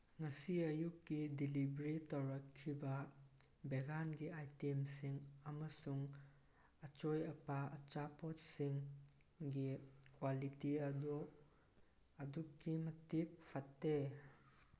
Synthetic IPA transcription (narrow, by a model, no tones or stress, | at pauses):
ŋasiɐjukːidilibɾitwɾɐkkʰːibɐ | beɡanɡiajtemsiŋɐmɐsuŋ | ɐt͡ʃojɐpaɐt͡ʃapɔtsiŋ | ɡikwalitiɐdɔ | ɐdukːimɐtik̚pʰɐtːe